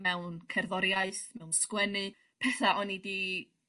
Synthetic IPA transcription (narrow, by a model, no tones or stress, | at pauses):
mɛwnkʰɛrðɔɾjaɨθmɛwnskwɛnɨ | pʰɛθaʔɔnidi